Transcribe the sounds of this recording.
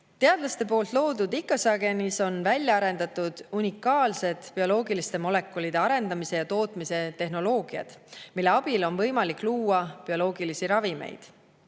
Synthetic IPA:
t̪e̞ɑd̪̥lɑst̪e̞po̞ːlt̪ˑlo̞ːd̪ud̪ikːˑɑsɑɡ̥e̞niso̞nvælʲjɑɑɾe̞nd̪̥ɑt̪ːˑud̪̥unʲikːˑɑːlse̞d̪̥pio̞lo̞ːɡilist̪e̞mo̞le̞kːˑolid̪̥e̞ɑɾe̞nd̪ɑmise̞jɑt̪o̞ːt̪ˑmise̞t̪e̞hɦno̞lo̞ːɡ̥iɑ̰d̪̥milːe̞ɑb̥ilo̞nvɤ̞jmɑlikːˑluːɑpio̞lo̞ːɡilisiɾɑvime̞̰jd̪̥

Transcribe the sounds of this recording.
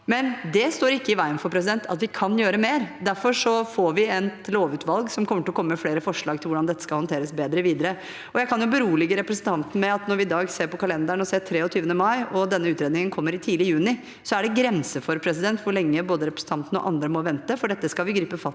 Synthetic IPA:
mɛnd̪ɛst̪oːɾɪkːəɪʋæɪənfɔɾpʰɾɛs̬ɪd̪ɛnt̪ʰɑ̰t̪ʋɪkʰɑnjøːɾəmeːɾd̪æɾfɔʂɔfoɾʋɪɛnloːʋʉːt̪ʋɑlɡsɔmkʰɔmːəʈɪlɔkɔmːəmɛfleːɾəfɔʂɭɑːɡ̚t̪ʰɪlʋʊɖɑnd̪ɛt̪ːəskɑlhɔnt̪ʰeːɾəsbeːd̪ɾəʋiːd̪əɾə | ɔjæɪkʰɑnjʊbəɾuːlɪɡəɾɛpɾəsn̩t̪ʰɑnt̪n̩əmɛɑt̪nɔɾʋɪːd̪ɑːɡseːɾpɔkʰɑlɛnd̪æɳɔseːt̪ʰɾeːɔt̪ʰyːʋənəmɑɪɔd̪ɛnːəʉːt̪ɾeːd̪ɪŋənkʰɔmːəɾɪt̪ʰiːlɪəjʉːnɪ | sɔæɖɛɡɾɛnsəfɔɾpʰɾɛs̬ɪd̪ɛnt̪ʋʊɭɛŋːəboːd̪əɾɛpɾəsn̩t̪ɑnt̪ənəɔ̰ʔɑ̰nd̪ɾəmɔʋɛnt̪əfɔɖɛt̪ːəskɑlʋɪɡɾiːpəfɑ

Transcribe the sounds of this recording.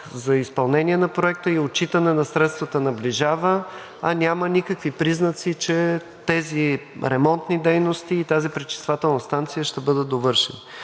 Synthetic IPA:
zɐispɐlˠnɛnʲiɛnɐpɾoɛkt̪əiot͡ʃit̪ənɛnɐsɾɛt̪st̪vət̪ənɐbliʒavə | ɐnʲamənʲikəkvipɾiznət̪sit͡ʃɛ | t̪ɛziɾɛmɔnt̪nid̪ɛjnost̪iːt̪azipɾit͡ʃi̥st̪vat̪ɛlˠnəst̪ant̪sijəʃt̪ɛbɤd̪əd̪ovɤɾʃɛnə

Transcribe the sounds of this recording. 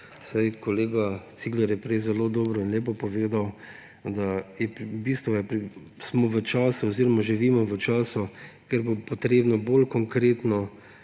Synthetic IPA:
sajkɔleːɡat̪siːɡlɛɾjɛpɾɛjzɛloːd̪ɔːbɾɔinleːp̬ɔpɔʋeːd̪aw | d̪ajɛbist̪ʋɔɛpɾi | smɔʋət͡ʃaːsuɔziɾɔmaʒiʋiːmɔʋət͡ʃaːsɔkɛɾbopɔt̪ɾeːbnɔbolkɔŋkɾeːt̪nɔ

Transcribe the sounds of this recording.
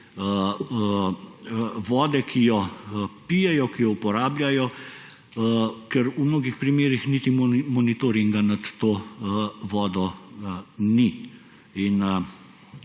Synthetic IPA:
ʋɔːd̪ɛkʰijɔpiːjɛjɔkijɔupɔɾaːblʲjajɔ | kɛɾumnoːɡixpɾimeːɾixniːt̪immɔnit̪oːɾiŋɡanat̪ːoː | ʋɔːd̪ɔ | ni | in

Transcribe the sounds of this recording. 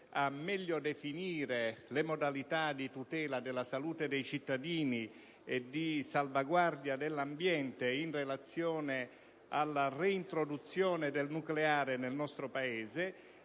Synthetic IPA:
amːɛʎːod̪efiniːɾelemod̪alit̪ad̪it̪ut̪ɛːlad̪ɪlːasaluːt̪ed̪ejt͡ʃit̪ːad̪iːni | ed̪isalvaɡward̪jad̪elːambjɛnt̪einrelat̪sːjɔːne | alːareint̪ɾod̪ut̪sːjɔːned̪elnukleaːɾenelnɔst̪ɾopaɛːze

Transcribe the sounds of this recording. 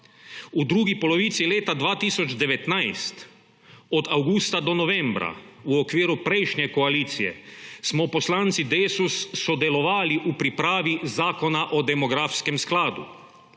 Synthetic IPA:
ud̪ɾuːɡipoloʋiːt̪sileːt̪ad̪ʋaːt̪iːsod͡ʒd̪ɛʋɛt̪najst̪ | od̪awɡuːst̪ad̪onoʋembɾa̰ | uokʋiːɾupɾejʃɲɛkoaliːt̪sijɛ̰smɔposlaːnt̪sid̪eːsusːod̪ɛlɔʋaːliʔupɾipɾaːʋizaːkonaʔod̪ɛmoɡɾaːfskemsklaːd̪ṵ

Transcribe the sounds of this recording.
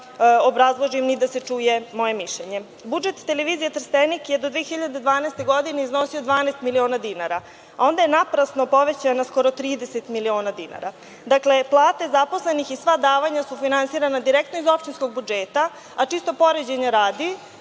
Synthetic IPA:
obɾazlˠoʒimnid̪ase̞t͡ʂuːje̞mo̞je̞miʃʎeɲe̞ | bud͡ʒet̪ːe̞leʋiːzijet̪r̩st̪enikjed̪o̞d̪ʋeːxiʎad̪ed̪ʋaːnest̪e̞ɡo̞d̪ine̞izno̞sio̞d̪ʋaːneːst̪milio̞ːnad̪inaɾa | ao̞nd̪ajenapɾasno̞po̞ʋe̞t͡ɕanasko̞ɾo̞t̪ɾiːd̪e̞set̪milio̞ːnad̪ina̰ɾa | d̪akle̞plˠaːt̪e̞zapo̞sle̞nixisʋad̪aːʋaɲasufinansiːɾanad̪iɾek̚t̪noizo̞pʃt͡ɕinsko̞ɡ̚bud͡ʒeːt̪a | at͡ʂist̪o̞po̞ɾed͡ʑeɲaɾaːd̪i

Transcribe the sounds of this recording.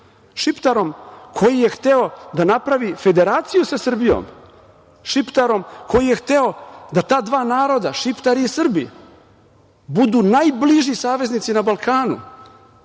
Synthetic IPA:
ʃipt̪aɾo̞mkʰo̞jijext̪eo̞d̪anapɾaʋife̞d̪e̞ɾaːt̪sijusasr̩bijo̰ːm | ʃipt̪aɾo̞mkʰo̞jije̞xt̪eo̞d̪at̪aːd̪vʋaːnaːɾo̞d̪aʃipt̪aɾiːsr̩bḭ | bud̪uːnajbliʒisaːʋe̞znit̪sinabalˠkaːnṵ

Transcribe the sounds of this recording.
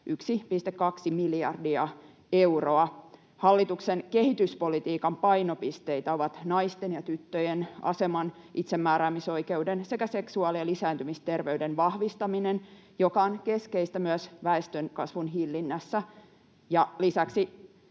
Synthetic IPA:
ʔyksipist̪ekkɑksimiljɑ̰rdiɑ | euroɑ | hɑlːit̪uksenke̞hit̪yspo̞lit̪iːkɑmpɑinopist̪eit̪æo̞ʋɑt̪nɑist̪enjɑt̪yt̪ːøjenɑ̰semɑn | ʔit̪semːæːɾæːmiso̞ikeudense̞kæseksuɑlielisæːnt̪ymist̪e̞rʋeydenʋɑhʋist̪ɑminen | jokɑonke̞skeist̪æmyøsʋæest̪ønkɑsʋunɦilːinːæsːæ | jɑlisæksi

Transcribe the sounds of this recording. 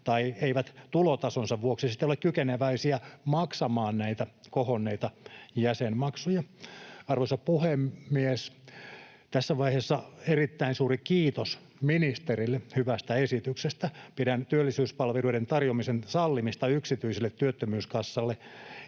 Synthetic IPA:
t̪ɑieiʋæt̪t̪ulot̪ɑsonsɑʋʋuoksisit̪ːeiolekkykeneʋæisiæmɑksɑmɑːnnæit̪ækohonːeit̪ɑjæsenmɑksujɑɑrʋoisɑppuhemːies | t̪æsːæʋɑihesːɑerit̪ːæinsuːrikiːt̪os | minist̪erilːehyʋæst̪æesit̪yksest̪æpidænt̪yølːisyːspɑlʋeluident̪ɑrjomisensɑlːimist̪ɑyksit̪yiselːet̪ːyøt̪ːømyːskɑsːɑlːe

